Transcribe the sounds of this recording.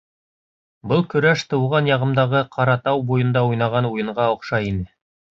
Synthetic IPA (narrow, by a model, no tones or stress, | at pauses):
bɤlˠkɵ̆ɾæʃt̪ɤ̆wʁɑnjɑʁɤ̆md̪ɑʁɤqʰɑɾɑt̪ɑwbujɤ̆nd̪ɑujnɑʁɑnujɤ̆ɴʁɑŏqʃɑinɘ